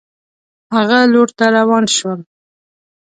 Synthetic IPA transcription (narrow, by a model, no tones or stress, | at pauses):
haɣaloɾt̪aɾawɑnʃwəl